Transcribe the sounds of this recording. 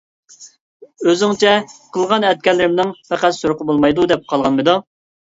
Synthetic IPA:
øzɪŋt͡ʃʰɛqʰəlˠʁɑnɛt̪̚kʲɛlːɪɾɪmnɪŋpʰæqæt̪suɾqʰəbolˠmɑjd̪ud̪ɛp̚qʰɑlˠʁɑnmɨd̪u

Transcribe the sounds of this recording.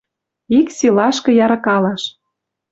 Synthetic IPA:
iksilɑʃkɤ̆jɑɾɑkɑlɑʃ

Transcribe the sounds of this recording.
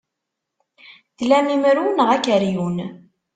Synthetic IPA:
ðlæmimɾunəʁækəɾjun

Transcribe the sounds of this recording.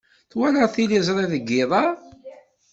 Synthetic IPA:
θwæləʁθilizˤɾˤeðəɡːɪðˤɑ

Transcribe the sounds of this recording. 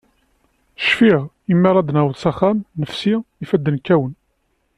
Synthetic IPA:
ʃfiʁ | imːiɾˤɑd̪næwəðsɑχæmnəfsiifæd̪ːənkːæwən

